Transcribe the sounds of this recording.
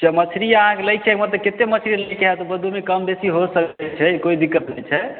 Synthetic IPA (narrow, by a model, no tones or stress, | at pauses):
t͡ʃəmət͡ʃʰɾiəɦãkeləjk̚t͡ʃʰɛkmət̪ləket̪emət͡ʃʰɾiləjkeɦɛt̪ɔbəd̪ʱumekəmbesiɦosəkɛt͡ʃʰɛkoid̪ikːət̪nɛjt͡ʃʰɛ